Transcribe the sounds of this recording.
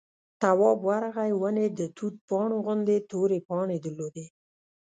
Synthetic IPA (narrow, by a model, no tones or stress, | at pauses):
t̪awɑbwaɾaɣajwəned̪ət̪ʰut̪̚pɑɳoɣʊnd̪et̪oɾepɑɳed̪əɾlod̪e